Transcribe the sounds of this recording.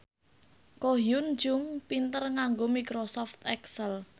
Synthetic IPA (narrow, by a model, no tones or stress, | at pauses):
koɦjʊn̥d͡ʒʊŋpint̪ərŋaŋɡomikɾosɔft̪ɛksəl